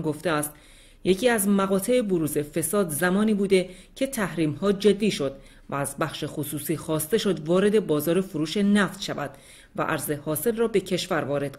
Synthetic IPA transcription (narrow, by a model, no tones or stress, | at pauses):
ɡoft̪eæːst̪ | je̞cʰiːæzmæɣɒːt̪ʰe̞eboɾuːzefe̞sɒːd̪zæmɒːniːbuːd̪e̞ | cʰe̞t̪ʰæhɾiːmhɒːd͡ʒe̞d̪ːiːʃo̞d̪̥ | vææzbæχʃe̞xosuːsiːxɒːst̪e̞ʃo̞d̪vɒːɾe̞d̪e̞bɒːzɒːɾe̞foɾuːʃe̞næft̪ʃævæ̰d̪̥ | væ̰ʔæ̰ɾze̞hɒːse̞lrɒːbe̞cʰe̞ʃvæɾvɒːɾe̞d̪̥